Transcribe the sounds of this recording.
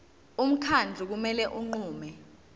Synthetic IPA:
um̩kʰand͡ɮʱuk̬umɛlɛʔuŋ͡ǃuːmɛ

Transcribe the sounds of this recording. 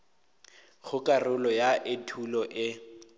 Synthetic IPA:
ɣʊkʼarʊlɔjaʔɪtʰulɔʔɪ

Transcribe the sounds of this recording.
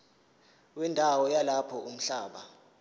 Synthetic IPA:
wɛndʱawɔjalapʰɔum̩ɬaːɓa

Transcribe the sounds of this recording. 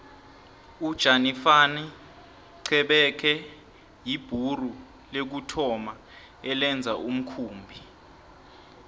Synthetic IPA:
ud̥ʒ̥ʱanifani | ǀʰɛɓɛkʰɛ | jib̥ʱuru | lek̬utʰɔma | ɛlɛnd͡zʱaʔum̩kʰuːmbʱi

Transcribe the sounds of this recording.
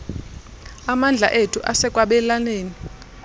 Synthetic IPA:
amand͡ɮʱa̰ʔetʰuʔasɛkʼwaɓɛlaneːni

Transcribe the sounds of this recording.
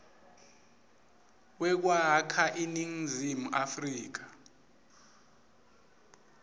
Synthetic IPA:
wɛk̬wakʰaʔiniŋ̩zimuʔafriːk̬ḁ

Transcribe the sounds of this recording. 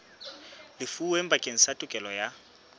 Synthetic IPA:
lɪfuwem̩bakʼeŋ̩satʼʊkʼɛlɔja

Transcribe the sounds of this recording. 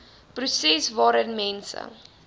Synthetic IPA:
prusɛsvɑːɾənmɛnsə̰

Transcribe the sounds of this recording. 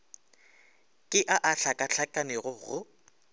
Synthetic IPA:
kʼɪʔaʔaɬʰakʼaɬʰakʼanɪɣʊɣʊ

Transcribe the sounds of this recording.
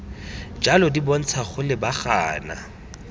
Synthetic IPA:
d͡ʒalɔdibɔn̩t͡sʰaχʊlɪbaχa̰ːna̰

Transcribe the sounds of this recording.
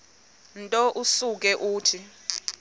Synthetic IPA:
ntʼɔʔusuk̬ɛʔuːtʰi

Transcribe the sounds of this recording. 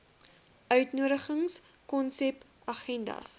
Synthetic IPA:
œɥtnuəɾəχəŋs | kɔnsɛp | ɐχɛndɐ̰s

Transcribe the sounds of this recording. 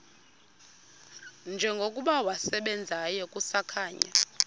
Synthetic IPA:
nd͡ʒʱɛŋɡʱokʼuɓawasɛɓɛnd͡zʱajɛkʼusakʰaːɲa̰

